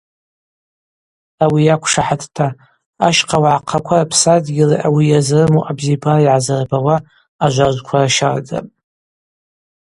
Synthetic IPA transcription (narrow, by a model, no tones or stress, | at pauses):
awijakʷʰʂaħatʰtʰa | aʃqʰawaʕaqʰakʷʰarapʰsadɡʲilaʔawijazrɨmoʔabzibariʕazarbawaː | ʒʷaʒʷkʷʰaraʃard͡za̰pʼ